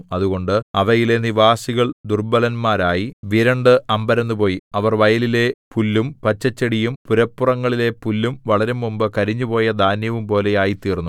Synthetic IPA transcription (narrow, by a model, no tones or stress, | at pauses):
ɐðuɣo̞ɳɖɨɐʋɐjile̞niʋaːsiɣɐɭd̪urbɐlɐnmaːɾaːjiʋiɾɐɳɖɨɐmbɐɾɐnːupo̞ːjiɐʋɐrʋɐjɐlile̞pulːumpɐt͡ɕːɐt͡ɕːɐɽijumpuɾɐpːurɐŋːɐɭile̞pulːumʋɐɭɐɾemumbɨkɐɾiɲːupo̞ːjɐd̪ʱaːnjɐʋumpo̞ːle̞jaːjit̪iːrnːu